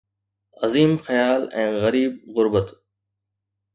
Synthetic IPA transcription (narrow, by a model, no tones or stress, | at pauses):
ɐziːmxəjaːlɛ̃ːɣɐɾiːb̚ɣʊɾbət̪